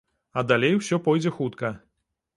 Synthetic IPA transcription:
ɐd̪alʲejwsʲɔpɔjd͡zʲɛxut̪kɐ

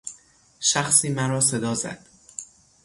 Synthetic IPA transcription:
ʃæxsiːmæɾɒːse̞d̪ɒːzæ̰d̪̥

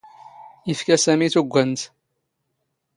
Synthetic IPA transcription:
ifkæsæmiθuɡʷːənt̪

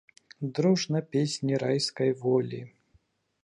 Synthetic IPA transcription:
d̪ɾuʐnɐpʲesʲnʲiɾajskɐjvɔlʲḭ

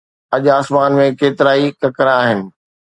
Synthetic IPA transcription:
ɐʄaːsmaːnmẽkeːt̪ɪɾaːikɐkəɾaːɦɪnɪ̆

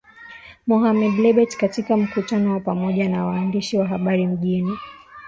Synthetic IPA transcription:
mɔɦamɛɗlɛɓɛtkatikam̩kutanɔwapamɔʄanawaːndiʃiwaɦaɓaɾim̩ʄini

